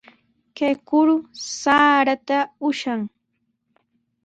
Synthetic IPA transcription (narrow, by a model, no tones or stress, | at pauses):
kejkʊɾʊsaːɾat̪aʊʃaŋ